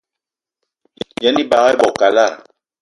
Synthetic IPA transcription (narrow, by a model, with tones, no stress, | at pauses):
jɛ˦ni˦ba˨ɣɛ˦bɔ˨ka˨la˦˨